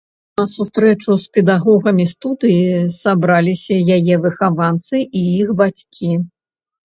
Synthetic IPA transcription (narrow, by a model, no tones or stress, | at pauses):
nɐsust̪ɾɛt͡ʂuspʲɛd̪aɣɔɣɐmʲist̪ud̪ɨjisabɾalʲisʲɐjajɛvɨxavant̪sɨʔiixbat͡sʲkʲʰi